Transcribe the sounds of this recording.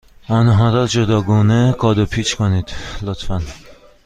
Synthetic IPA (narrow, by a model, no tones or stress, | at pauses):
ɒːnɦɒːɾɒːtd͡ʒod̪ɒːɡuːneɡɒːd̪opʰit͡ʃʰkʰoniːd̪̥lot̪ʰfæn